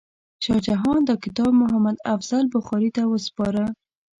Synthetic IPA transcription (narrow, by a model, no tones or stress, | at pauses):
ʃɑd͡ʒaɦɑnd̪əkɪt̪ɑb̚mʊɦamad̪afz̥albʊxɑɾit̪awəspɑɾə